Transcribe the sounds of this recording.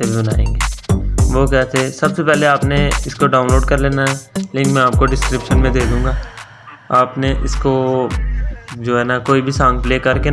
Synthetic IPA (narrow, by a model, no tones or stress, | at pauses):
ebʱibɐnaːḛ̃ːŋɡeːʋoːkɛɦt̪ʰeːsɐbsepɛɦleaːpneɪskoɖaːʊ̃nloːɖkɐɾleːnaɦɛleːkɪ̃ŋmɛ̃aːp̚koɖɪskɾɪpʃənmẽd̪eːd̪ũːŋɡaː | aːpneʔɪsko | d͡ʒoːɦɛːnakoːibʱisãːŋɡ̚pleːkɐɾke